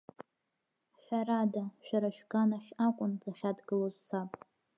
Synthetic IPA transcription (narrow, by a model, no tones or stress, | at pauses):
ʃʷᶣaradaʃᶣaɾaʃᶣɡanaχʲakʷʼʊntaχʲadɡɨlozsʰapʼ